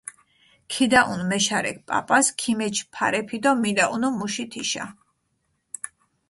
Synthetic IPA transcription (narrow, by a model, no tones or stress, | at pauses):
kʰid̪aʔunmɛʃaɾɛ̰k̚pʼa̰pʼaskʰimɛt͡ʃʰpʰa̰ɾɛpʰid̪ɔmilaʔunɔmuʃit̪ʰiʃa̰